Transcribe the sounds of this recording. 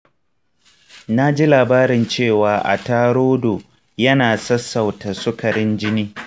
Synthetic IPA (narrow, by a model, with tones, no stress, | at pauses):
na˦d͡ʒi˦laː˨baː˦ɾɪ˨nt͡ʃeː˦˨waː˨ʔa̰˨taː˦ɽoː˦doː˨ | jɐ˦naː˨sɐ˦sːɐ˨wta˨sʊ˦kʰɐ˨ɾɪ˦nd͡ʒɪ˦niː˦